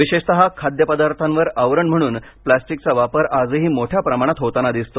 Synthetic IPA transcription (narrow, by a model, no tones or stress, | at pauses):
ʋiɕeʂt̪əɦakʰad̪jəpəd̪aɾt̪ʰanʋəɾəʋɾəɳm̤əɽ̃uːn | plæsʈik̚t͡saʋapəɾad͡zəɦiːmoʈʰjapɾəmaɽ̃at̪ɦot̪anad̪ist̪o